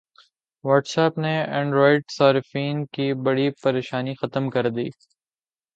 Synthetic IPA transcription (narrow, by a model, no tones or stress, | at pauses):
ʋɐɾʈsaːpneɛ̃ːɳɖɾoːɪʈsaːɾɪfiːnkibɐɽipɐɾeːʃaːnixɐt̪əmkɐɾd̪ḭː